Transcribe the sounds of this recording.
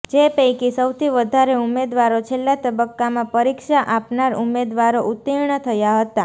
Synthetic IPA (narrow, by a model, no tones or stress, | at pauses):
d͡ʒepəjkisəwt̪ʰiʋəd̪ʱaɾeumed̪ʋaɾot͡ʃʰelːat̪əbəkːamãpəɾikʃaʔapnaɾumed̪ʋaɾoʔut̪ːiɾɳət̪ʰəjaɦət̪a